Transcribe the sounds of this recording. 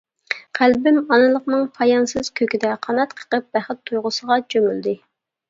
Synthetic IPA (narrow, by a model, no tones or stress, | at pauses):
qʰælbɪmɑnɨlˠəqnɨŋpʰɑjɑnsɨz̥kʲʰøkʲid̪ɛqʰɑnɑt̪qʰə̥qəp̚b̥æχɪt̪ʰːujʁʊsəʁɑt͡ʃʰømyld̪ɪ